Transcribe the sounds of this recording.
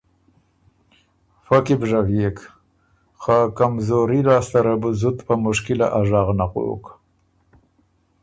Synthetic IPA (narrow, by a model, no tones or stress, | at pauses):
fakibʐavjek | xakamzoɾiɾɑːst̪aɾabuzut̪pəmʊʂkɪla̰ʔaʐɑɣnaqo̰ːk